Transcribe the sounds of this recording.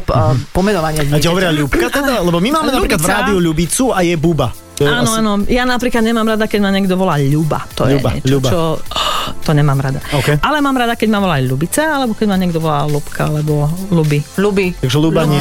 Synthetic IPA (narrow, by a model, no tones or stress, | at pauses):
pɔmɛnɔʋaɲɪɛcɔʋɔɾɪaʎupkat̪ɛd̪alɛbɔmimaːmɛnapɾiklad̪vɾaːd̪iuʎubit͡suajɛbuba | ɔɛaːnɔaːnɔjanapɾiklad̪ɲɛmaːmɾad̪akɛɟmaɲɛɡd̪ɔʋɔlaːʎuba̰t̪ɔ̰jɛṵɲba̰ɛ̰t͡ʃʎubt͡ʃaɔ | t̪ɔɲɛmaːmɾad̪aɔkɛjʔalɛmaːmɾad̪akɛɟmaʋɔlaʎubit͡saalɛbɔkɛɟmaɲɛɡd̪ɔʋɔlaːlupkʰa̰alɛbɔlubiʎubit̪aɡʒɛlubaɲɛ